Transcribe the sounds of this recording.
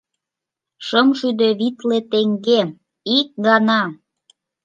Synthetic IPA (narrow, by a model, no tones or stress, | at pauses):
ʃəmʒyd̪eβit̪let̪eŋɡe | ik̚ɡɑnɑ